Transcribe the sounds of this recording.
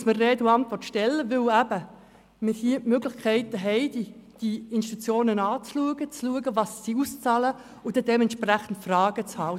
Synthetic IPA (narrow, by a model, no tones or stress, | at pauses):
smərreːduːɑntʋɔrtʃtɛlːəvɪlæb̥ə | mɪɾhiəmøɡlɪχkʰɛɪtəɦɛɪdid̥iɪnʃtut͡sjoːnənɑːt͡sluəɡət͡sluəɡəvɑsːiust͡sɑːlə | ʊd̥edɛmɛnʃpræχən̩tfrɑːɡ̥ət͡shɑl